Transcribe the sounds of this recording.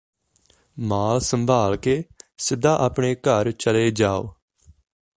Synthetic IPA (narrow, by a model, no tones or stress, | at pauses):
maːlsəmbʱaːlkeːsɪd̪aːʔaːpɳeːkəɾt͡ʃəleːd͡ʒaːo̰ː